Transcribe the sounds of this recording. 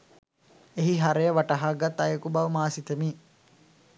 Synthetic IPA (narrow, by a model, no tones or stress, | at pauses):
eɦiɦaɾejəʋaʈɐɦaːɡat̪ːajəkubaʋmaːsit̪əmiː